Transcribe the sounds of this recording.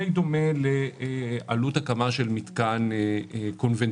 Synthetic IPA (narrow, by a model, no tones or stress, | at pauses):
ejd̪o̞me̞lealut̪hakamaʃe̞lmit̪kanko̞nven